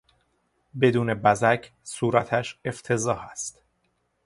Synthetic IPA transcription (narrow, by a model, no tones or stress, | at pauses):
be̞d̪uːnebæzæcʰsuːɾæt̪ʰæʃe̞ft̪ʰe̞zɒːhæst̪